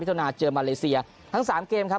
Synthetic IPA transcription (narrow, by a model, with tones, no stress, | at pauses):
t̪ʰːnaː˧t͡ɕɤː˧maː˧leː˧si˧ɐ | t̪ʰa˦˥ŋsaː˩˦mkeː˧mkʰa˦˥